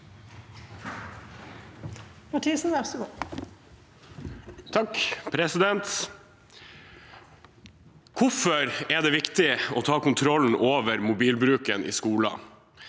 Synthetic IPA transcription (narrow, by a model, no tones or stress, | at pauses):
mɑʈʰiːsn̩ʋæʁsəɡuː | t̪ʰɑkpʰɾɛsɪd̪ɛnt̪ | kʰʊfɔɾɛd̪ɛːʋɪkt̪ɪɔt̪ʰɑːkʊnt̪ʰɾɔln̩ʔoːʋəɾmʊbiːlbɾʉːkənʔḭːskuːlɑ̰